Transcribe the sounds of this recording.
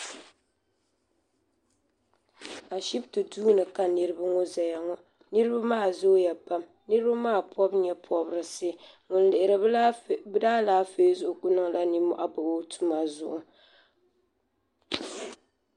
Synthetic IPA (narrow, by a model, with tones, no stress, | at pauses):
a˨ʃi˦btɨ˨duː˦nɨ˨ka˨nɨ˦ɾɨ˦ba˦ŋɔ˦za˨ja˨ŋɔ˦ | nɨ˦ɾɨ˦ba˦maː˦˨zʊ˦ja˨pa˦m | nɨ˦ɾɨ˦ba˦maː˦˨pʰɔ˦bɲɛ˦pʰɔ˦bɾɨ˨sɨ˦ | ŋʊ˨n˦lɪ˨ʔɪ˨ɾɨ˨˦bɨ˦daː˦laː˦feː˦zʊ˦ʔʊ˨ɡʊ˦nɨ˦ŋ˦la˦ni˦mɔ̰˦ʔa˦bɨ˨o˦tʰu˦ma˨zʊ̰˦ʔʊ˨